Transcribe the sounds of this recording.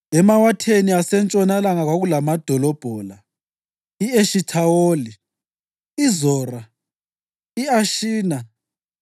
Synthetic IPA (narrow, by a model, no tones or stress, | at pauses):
ɛmawatʰeniasɛnt͡ʃʼɔnalaŋaɣwaɣulamad̥ʱɔlɔb̥ʱɔːla | ieʃitʰawoːli | izɔːra | iaʃiːna